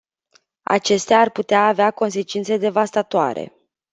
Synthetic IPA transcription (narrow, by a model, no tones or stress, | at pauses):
a̰t͡ʃe̞st̪eaːrput̪eaːveako̞ns̬e̞t͡ʃint̪se̞d̪e̞vast̪at̪oa̰ɾe̞̰